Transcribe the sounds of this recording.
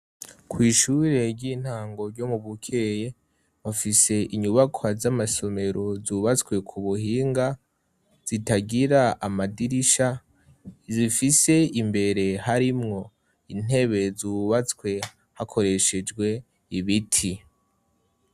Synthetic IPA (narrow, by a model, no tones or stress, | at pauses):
kwiːʃuɾe̞ɾɟiːn̥haːŋɡo̞ɾɟomuβukʰe̞je̞ | βafise̞ʔiɲuβakʰoazamaso̞me̞ɾo̞zuːβat͡skwe̞kʰuβuhiːŋɡa | z̥itaɡiɾaamadiɾiʃa | zifise̞imbe̞ɾe̞haɾimŋo̞ | in̥he̞βe̞zuːβat͡skwe̞ | hakʰo̞ɾe̞ʃe̞d͡ʒɡwe̞ | iβitʰi